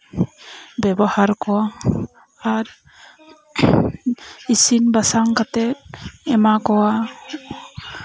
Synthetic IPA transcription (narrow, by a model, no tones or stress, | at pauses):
bɛbɔhaɾkɔwa | aɾ | isinbasaŋkat̪ɛt̪̚ɛmakɔwa